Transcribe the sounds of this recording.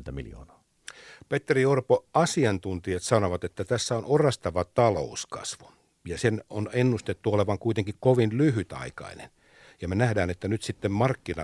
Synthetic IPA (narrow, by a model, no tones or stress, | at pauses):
nt̪æmḭljo̰ːnɑ̥ː | pet̪ːeriorpoɑsiɑnt̪unt̪iɑt̪sɑnoʋɑt̪et̪ːæt̪æsːæonorɑst̪ɑʋɑt̪ɑlo̰ˑuskɑ̰sʋu̥ | jɑsenonenːust̪et̪ːuoleʋɑŋkuit̪eŋkikkoʋinlyɦyt̪ɑ̰ikɑ̰inḛn | jɑmenæhdæːnet̪ːænyt̪sit̪ːemmɑrkːinɑ̰